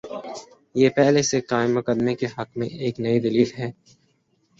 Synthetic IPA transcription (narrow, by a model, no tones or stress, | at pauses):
jeːpɛɦlesekaːɪmːʊkəd̪mekeɦɐqmḛ̃eːknɐid̪ɐliːlɦɛː